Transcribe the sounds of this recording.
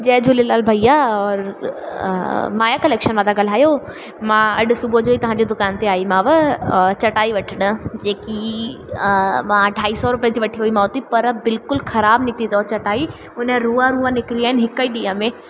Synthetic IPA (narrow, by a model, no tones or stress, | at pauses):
d͡ʑɛːd͡ʑʊlelaːlbʱɐijaɔːɾ | maːjakɐleːkʃənʋãːd̪aɡɐl̤aːjo | mãɐɗsʊbʱod͡ʑoːit̪ɐʋ̤ãɲd͡ʑed̪ʊkaːnt̪eaːimãːʋət͡ɕɐʈaːiʋɐʈʰəɽəd͡ʑeːki | mãɖʱaːisɔɾʊpijə̃d͡ʑiʋɐʈʰiɦuimãːot̪ipɐɾbɪlkʊlxʰɐɾaːbnĩt̪ʰizɔt͡ɕɐʈaːi | ʊnə̃ɾuːaɾuːanɪkɾiaːɦɪnɦɪkəiɗiːə̃mẽ